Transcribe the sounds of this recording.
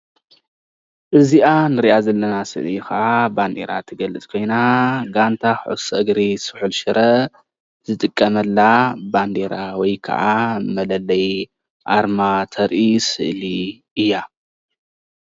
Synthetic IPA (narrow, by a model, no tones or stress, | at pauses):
ʔɨziʔanɨɾiʔazɐlːɐnasɨ̰ʔlikɐʔaband̪ḛɾa̰t̪ʰɨɡɐlɨt͡sʼkʰo̞jnaɡant̪ʰaxʕo̰sɐʔɨɡɾisɨ̥ħulʃɨɾʔɐ | z̥ɨt̪ʼɨkʼːɐmɐlːaband̪eɾawɔjkʰɐ̰ʔamɐlɐlɐj | ʔaɾmat̪ʰɐɾʔisɨ̰ʔli | ɨjːa